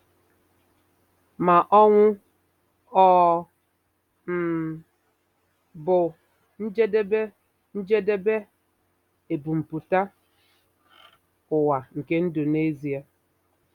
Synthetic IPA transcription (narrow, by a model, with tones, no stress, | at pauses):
ma˨ʔɔ˦ŋʷʊ˦ | ɔ˦˨ | m̩˨ | bʊ˨ | n̩˦d͡ʒe˦de˦be˦ | n̩˦d͡ʒe˦de˦be˦ | e˨bu˨m̩˨pu˨ta˦ | ʊ˨wa˨ŋ̩˨ke˦n̩˦do˨ne˦zi˨a˨